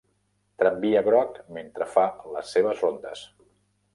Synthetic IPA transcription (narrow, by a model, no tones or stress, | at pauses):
t̪ɾəmbiəβɾɔkment̪ɾəfaləsːeβəzrond̪ə̰s